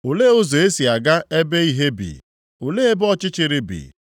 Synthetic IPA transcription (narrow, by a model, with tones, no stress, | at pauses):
o˨leː˦o˦zo˨e˦si˨a˨ɡa˦e˦be˦i˦ɦe˦bḭ˨ | o˨le˦e˦bɔ˦t͡ʃɪ˦t͡ʃɪ˨ɾɪ˦bḭ˨